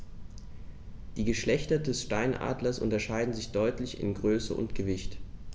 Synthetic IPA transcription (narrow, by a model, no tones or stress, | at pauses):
d̥iːɡəʃlɛçtɐdɛsʃtaɪnʔa̰ːdlɐsʔʊ̰ntɐʃaɪdn̩zɪçd̥ɔʏtlɪçɪ̰nɡʁøːsə̰ʔʊ̰ntɡ̥əvɪçt